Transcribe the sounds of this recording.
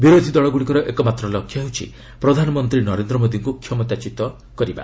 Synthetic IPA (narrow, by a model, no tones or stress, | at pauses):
biɾod̪ʱid̪ɔɭɔɡuɽikɔɾɔʔekɔmat̪ɾɔlɔkʰjɔɦeɦut͡ʃʰḭ | pɾɔd̪ʱanɔmɔnt̪ɾinɔɾend̪ɾɔmod̪iŋkukʰjɔmɔt̪at͡ʃit̪ɔ | kɔɾiba̰